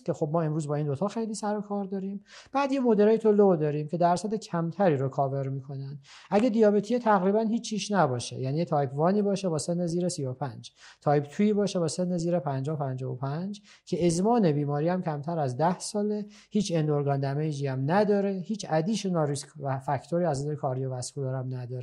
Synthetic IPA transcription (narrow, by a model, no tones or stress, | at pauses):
kʲʰe̞xo̞b̚mɒːe̞mɾuːzbɒːind̪o̞t̪ʰɒːxe̞jliːsæɾokʰɒːɾd̪ɒːɾim | b̥æːd̪jemod̪eɾeːjet̪ʰolod̪ɒːɾiːmcʲʰe̞d̪æɾsæd̪ecʰæmt̪ʰæɾiːɾokʰɒːve̞ɾmiːkʰo̞nænd̪ | ʔæɡed̪ijɒːbet̪ʰiet̪ʰæɣɾiːbænhiːt͡ʃʰːiːʃnæbɒːʃḛjæːnijet̪ʰɒːjpʰvɒːniːbɒːʃebɒːse̞nːeziːɾesijopʰænd͡ʒ | t̪ʰɒːjbt̪ʰuiːbɒːʃe̞bɒːse̞nːeziːɾe̞pʰænd͡ʒɒːhopʰænd͡ʒɒvopʰænd͡ʒ | cʰe̞ezmɒːne̞biːmɒːɾiːæmcʰæmt̪ʰæɾæzd̪æhsɒːle̞ | hiːt͡ʃʰe̞nd̪oɾɡɒːnd̪æmejd͡ʒiːæmnæd̪ɒːɾe̞hiːt͡ʃʰæd̪iːʃenɒɾiskvæfæcʰt̪ʰoɾiːæziɾekʰɒːɾijevæsfuloɾæmnæd̪ɒːɾe